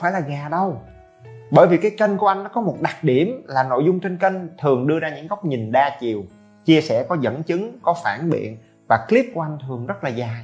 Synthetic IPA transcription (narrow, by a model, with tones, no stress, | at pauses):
faː˧˦jlaː˨˩ɣaː˨˩ɗə˧w | ɓəː˧˩jvi˨˩kaː˨˦jkə˧ŋ̟ku˧˩əʔa˧jŋnːɔ˨˦kɔ˨˦mo˨˩t̚ɗa˨˩t̚ɗi˧˩əmlaː˨˩no̰˧˨jzʊ˧ŋ͡mt͡ɕe˧nkə˧ŋ̟t̪ʰɨ˨˩əŋɗɨ˧əzaː˧ɲɨ̰˧˥ŋɣa˦˥wk͡p̚ɲi˨˩nɗaː˧t͡ɕi˨˩əw | t͡ɕi˧əsɛ̰˧˩kɔ˨˦zə̰˧˥nt͡ɕɨ˨˦ŋkɔ˨˦faː˧˩nɓḭ˧˨ən | vaː˨˩kli˦˥əp̚ku˧˩˦ʔjŋ̟t̪ʰɨ˨˩əŋzə˦˥t̚laː˨˩ɣaː˨˩